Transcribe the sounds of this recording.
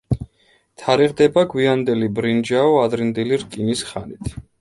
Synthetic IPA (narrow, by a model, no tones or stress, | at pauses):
t̪ʰaɾiʁd̪ɛbaɡwiand̪ɛlibɾind͡ʒaɔad̪ɾind̪iliɾkʼinisχanit̪ʰ